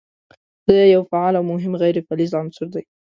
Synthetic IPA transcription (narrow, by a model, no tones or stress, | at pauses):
d̪̥əjawfaʕalawmʊɦɪmɣajɾefalizansʊɾd̪aj